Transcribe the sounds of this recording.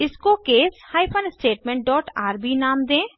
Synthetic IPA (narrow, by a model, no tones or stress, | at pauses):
ɪskokeːshaːipʰənsʈeːʈmẽːɳʈ̚ɖɔːʈaːɾbʱinaːmd̪ẽː